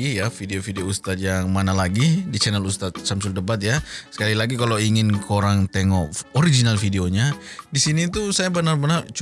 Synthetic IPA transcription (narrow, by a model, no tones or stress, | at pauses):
ijafideofideoust̪at̪̚jaŋmanalaɡidit͡ʃɛnɛlust̪at̪̚samsʊldəbat̪̚jasə̥kalilaɡikaloiŋɪnkʰoɾaŋt̪eŋɔʔoɾid͡ʒinalfideoɲadisinit̪usajabənarbənart͡ʃ